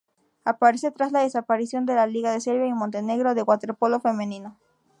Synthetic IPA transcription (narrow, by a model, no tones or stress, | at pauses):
apaɾeset̪ɾazlaðe̞sapaɾisjo̞nd̪e̞laliɣaðe̞seɾβjainmont̪e̞ne̞ɣɾo̞ðeɣwat̪e̞ɾpo̞lo̞fe̞menino